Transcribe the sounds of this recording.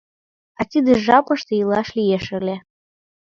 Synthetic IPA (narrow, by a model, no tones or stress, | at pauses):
ɑt̪ʲid̪eʒɑpɤʃt̪eilˠɑʃlʲijeʃɘ̆lʲe